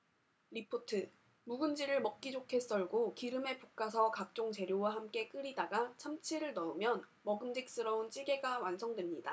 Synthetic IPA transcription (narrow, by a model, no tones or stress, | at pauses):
ɾipʰotʰɯ | muɡɯnd͡ʑiɾɯɭmʌk̚k͈id͡ʑokʰe̞s͈ʌɭɡokiɾɯme̞puk̚k͈as̬ʰʌkak̚t͡ɕ͈oŋt͡ɕe̞ɾjowaɦamk͈e̞k͈ɯɾidaɡat͡ɕʰamt͡ɕʰiɾɯɭnʌɯmjʌn | mʌɡɯmd͡ʑik̚s͈ɯɾʌunt͡ɕ͈iɡe̞ɡawansʰʌŋdwemɲida